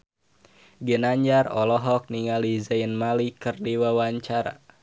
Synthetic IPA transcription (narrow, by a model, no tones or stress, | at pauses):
ɡənaɲd͡ʒarɔlɔɦɔk̚niŋalizaənmalikɨrdiwawaɲt͡ʃaɾa̰